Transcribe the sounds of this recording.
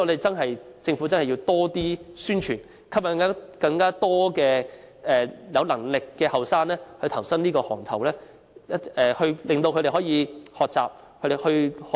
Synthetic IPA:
ɔ˧t̪e˨jt͡sɐ˥nɦɐ˨˩jt͡sɪ˧ŋfuː˨˥t͡sɐ˥nhɐ˨ji˧wt̪ɔː˥t̪iː˥syː˥nt͡ʃʰyː˨˩n | kʰɐ˥p̚jɐ˨˧ŋkaː˥kɐ˧ŋkaː˥t̪ɔː˥kɛː˧ | ɛː˨jɐ˨˧wlɐ˨˩ŋlɪ˨kːɛː˧hɐ˨wsaː˥nlɛː˥hɵ˧t̪ʰɐ˨˩wsɐ˥ŋniː˥kɔː˧hɔ̰ː˨˩ŋt̪ʰɐ˨˩wlɛː˥ | ɐ˥ɛː˨hɵ˧ɥlɪ˨ŋt̪o˧kʰɵ˧ɾe˨˩hɔː˨˥jiː˨˧hɔː˨k̚t͡sa̰ː˨p̚ | kʰt̪e˨˩hɵ˧ɥh

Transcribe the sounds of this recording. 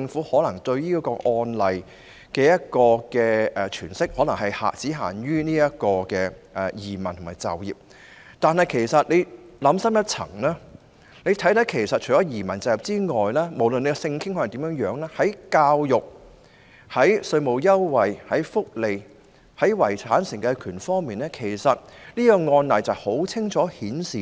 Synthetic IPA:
t͡sɪ˧ŋfuː˨˥hɔː˨˥lɐ˨˩ŋt̪ɵ˧ɥniː˥kɔː˧ʔɔː˧nlɐ˨j | kɛː˧jɐ˥t̚kɔː˧kɛː˧ʔɛ˨˧t͡ʃʰyː˨˩nsɪ˥k̚hɔ˨˥lɐ˨˩ŋɦɐ˨jha̰ː˨k̚t͡siː˨˥ɦaː˨˩nɥyː˥niː˥jɐ˥t̚kɔː˧kɛː˧ʔɛ˨˩jiː˨˩mɐ˨˩nt̪ʰʊ˨˩maː˨˩jt͡sɐ̰˨wjḭː˨p̚ | t̪aː˨˧nhɐ˨˩jkʰe˨˩jsɐ˨t̚le˨˧j | lɐ˨˥msɐ˥mjɐ˥t̚t͡sʰɐ̰˨˩ŋlaː˥ | ne˨˧jt̪ʰɐ˨˥jt̪ɐ˨˥kʰe˨˩jsɐ˨t̚t͡ʃʰɵ˨˩ɔː˨˥jiː˨˩mɐ˨˩nt͡sɐ˨˧wjɐ˨p̚t͡siː˥ŋɔː˨jlɛː˥mo˨˩wlɵ˨ne˨˧˥ksɪ˧ŋkʰɪ˥ŋkʰɔ˥˨˩t̪iː˨˥mjœː˨˥ŋjœː˨˥ŋlɛː˥hɐ˨˥jkaː˧wjʊ˨k̚ | hɐ˨˥jsɵ˧ɥmo˨wjɐ˥wwɐ˨jhɐ˨˥jfʊ˥k̚le˨j | hɐ˨˥jwɐ˨˩jt͡sʰaː˨˥nsɪ˨˩ŋkɛ˧kʰyː˨˩nfɔː˥ŋmiː˨nlɛː˥kʰe˨˩jsɐ˨t̚niː˥kɔ˧ŋɔː˧nlɐ˨jt͡sɐ˨˩who˨˥wt͡sʰɪ˥ŋt͡ʃʰɔː˨˥hiː˨˥nsiː˨

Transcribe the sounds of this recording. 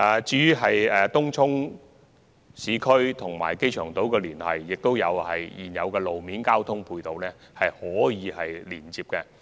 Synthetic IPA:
t͡siː˨˧˥y˥ɦɐ˨jɛː˨t̪ʊ˥ŋt͡sʰʊ˥ŋ | siː˨˥kʰɵ˥ɥt̪ʰʊ˨˩ŋmaː˨˩jke˥jt͡ʃʰœː˨˩ŋt̪o˨˥wkɛː˧liː˨˩nhɐ̰˨jːɪ˨k̚t̪o˥wjɐ˨˧whɐ̰˨jjiː˨˩njɐ˨˧wkɛː˧lo˨wmiː˨˥nkaː˥wt̪ʰʊ˥ŋpʰuː˧jt̪o˨wlɛː˥ | hɐ˨jhɔː˨˥jiː˨˧hɐ˨jliː˨˩nt͡siː˨p̚kɛ˧

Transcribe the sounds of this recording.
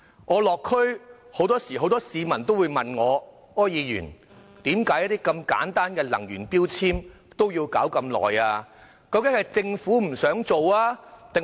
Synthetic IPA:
ŋɔː˨˧lɔː˨kʰːɵ˥ɥho˨˥wt̪ɔː˥siː˨˩ɦo˨˥wt̪ɔː˥siː˨˧mɐ˨˩nt̪o˥wuː˨˧jmɐ˨nŋɔː˨˧ | ɔː˥jiː˨˧jyː˨˩n | t̪iː˨˥mkaː˨˥jɐ˥t̪i˥kɐ˧mka̰ː˨˥nt̪aː˥nkɛː˧lɐ˨˩ŋjyː˨˩npiː˥wt͡sʰiː˥m | t̪o˥wjiː˧wkaː˨˥wkɐ˧mlɔ̰ː˨jaː˧ | kɐ˧wkɪ˨˥ŋhɐ˨jt͡sɪ˧ŋfuː˨˥m̩˨˩sœː˨˥ŋt͡so˨waː˥t̪ɪ˨ŋ

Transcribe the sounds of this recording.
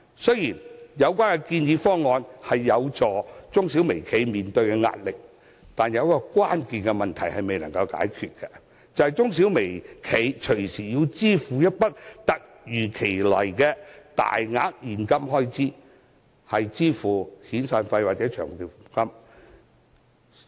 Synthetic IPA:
sɵ˥ɥjiː˨˩njɐ˨˧wkʷaː˥nkɛ˧kiː˧njiː˨˧fɔː˥ŋɔː˨˧nhɐ˨jːɐ˨˧wt͡sɔː˨t͡sʊ˥ŋsiː˨˥wme˨˩jkʰe˨˧jmiː˨nt̪ɵ˧ɥkɛ˧ŋa̰ː˧t̚lɪ˨k̚ | t̪aː˨njɐ˨˧wkɔː˧kwaː˥nkiː˨nkɛ˧mɐ˨nt̪ʰɐ˨˩jhɐ˨jme˨jnɐ˨˩ŋkɐ˧wka̰ː˨˥jkʰyː˨t̚kɛ˧ | t͡sɐ˨whjt͡sʊ˥ŋsi˨˥wme˨˩jkʰe˨˧jt͡ʃʰɵ˨˩ɥsiː˨˩jiː˧wt͡siː˥fuː˨jɐ˥t̚pɐ˥t̚t̪ɐ˨k̚ | jyː˨˩kʰe˨˩jlɐ˨˩jkɛ˧t̪a̰ː˨jŋa̰ː˨k̚jiː˨nkɐ˥mɦɔː˥jt͡siː˥ | hɐ˨jt͡siː˥fuː˨˩hiː˨˥nsaː˨˧nfɐ˧jwaː˨t̚t͡sɛː˨˥t͡ʃʰœː˨˩ŋ˨ki˨fkɐ˥m

